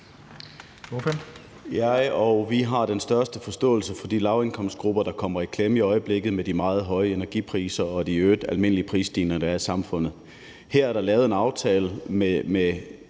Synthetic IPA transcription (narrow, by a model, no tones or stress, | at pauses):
ofen | jɑɪɒ̽ʊʋiɦɑ̈d̥ensd̥ɶɐsd̥əfɒ̽sd̥ɔ̰̽ːl̩səfɒ̽d̥ilɑ̈ʊenkʰɒ̽m̰sd̥̚ɡ̥ʁub̥ɐd̥ɑ̈kʰɒ̽m̰ɐikʰlemiɒ̽ɪəb̥le̝ɡ̥ð̩ˠmed̥imɑ̈ːð̞̩ˠɦɒ̽ɪəenæɐɡ̥iːpʰʁḭːsɐɒ̽d̥iøːd̥ælme̝n̰əliəpʰʁḭːsd̥iːnɐd̥ɑɐisɑ̈mfɔ̽n̰ð̩ˠ | hæɐ̰æɐɾ̥ɑ̈lɛːʊð̞̩ˠe̝nɑ̈ʊt͡sʰɛːləmeme